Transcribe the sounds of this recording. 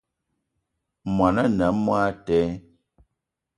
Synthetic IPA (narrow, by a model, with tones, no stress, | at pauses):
mwa˨na˦nə˨˦mwaː˦tɛ˨˦